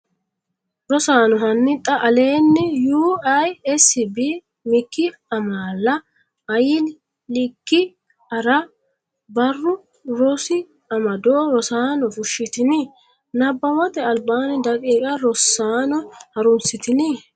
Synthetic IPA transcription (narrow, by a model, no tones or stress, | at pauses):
ɾɔsaːnɔɦɐnːɪt̪ʼːɐʔɐle̞ːnːɪjuːɐjɛsɪbi | mɪkːɪɐmaːlːɐ | ɐjɪl | lɪkːɪ | ɐɾɐ | bɐrːʊ | ɾɔsɪ | ɐmɐd̪oːɾɔsaːnɔfʊʃːɪt̪ɪnɪ | nɐbːɐwɐt̪ɛɐlbaːnɛd̪ɐkʼiːkʼɐɾɔsːaːnɔhɐɾʊnsɪt̪ɪnɪ